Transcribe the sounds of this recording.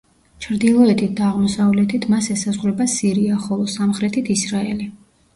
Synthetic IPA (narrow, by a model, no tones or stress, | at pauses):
t͡ʃʰɾd̪ilˠɔɛt̪ʰit̪̚ʰd̪aːʁmɔsavlɛt̪ʰit̪ʰmasɛsazʁɾɛbasiɾiaχɔlˠɔsamχɾɛt̪ʰit̪ʰisɾaɛli